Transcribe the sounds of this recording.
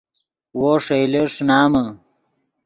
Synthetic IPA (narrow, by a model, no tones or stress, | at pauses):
woːʂejleʂnaːmɐ